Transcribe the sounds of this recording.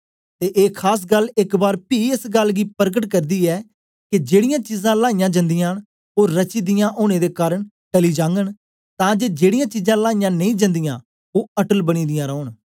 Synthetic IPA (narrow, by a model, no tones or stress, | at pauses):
t̪eːʔeːkʰaːs̬ɡəlːɪkbaːɾpiːɪsɡəlɡiːpəɾɡəʈkəɾd̪iːɛː | kɪd͡ʒeːɽɪjãːt͡ʃiːzãːlaːijãːd͡ʒə̃nd̪ɪjãːn | oːɾːət͡ʃiːd̪ɪjãːʔoːñeːd̪eːkaːɾəɳ | ʈəliːd͡ʒãːŋɡəɳ | t̪ãːd͡ʒeːd͡ʒeːɽɪjãːt͡ʃiːzãːlaːijãːnəĩːd͡ʒə̃nd̪ɪjãː | oːəʈəlbəɽ̃iːd̪ɪjãːɾɔːɳ